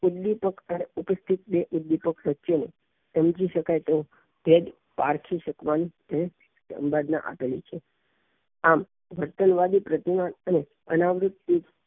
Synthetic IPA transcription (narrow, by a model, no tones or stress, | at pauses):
ud̪ːipəkəneupəst̪ʰit̪̚beʔud̪ːipəkʋətːʃene | səmd͡ʒiʃəkajt̪eũ | bed̪ | paɾkʰiʃəkʋanit̪əne | sə̰mbad̪na̰ʔa̰pelit͡ʃʰe | am | ʋəɾt̪ənʋad̪ipɾət̪imanəne | ənaʋɾʊt̪ːid͡ʒ